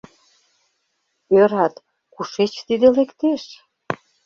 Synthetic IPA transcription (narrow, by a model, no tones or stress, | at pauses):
øɾɑt̪ | kuʃet͡ɕt̪id̪elekt̪eʃ